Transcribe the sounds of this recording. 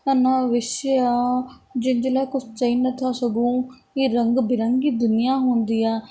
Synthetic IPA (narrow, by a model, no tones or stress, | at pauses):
ənãːʋɪʃeaːd͡ʒɪnd͡ʒelɛːkʊsʰt͡ʃəiːnət̪ʰaːsəɡũː | iːɾəŋɡbɪɾəŋɡiːd̪ʊnɪjaːɦʊnd̪iːaː